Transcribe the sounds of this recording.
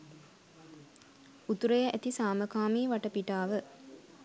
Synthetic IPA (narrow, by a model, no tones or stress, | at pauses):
ut̪uɾəjəʔæt̪isaːməkaːmiːʋaʈəpiʈaːʋə